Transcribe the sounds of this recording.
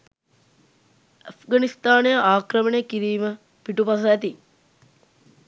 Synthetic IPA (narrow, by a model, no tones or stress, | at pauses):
afɡanist̪aːnejəʔaːkɾəməneəkiɾiːmə | piʈupas̬əæt̪i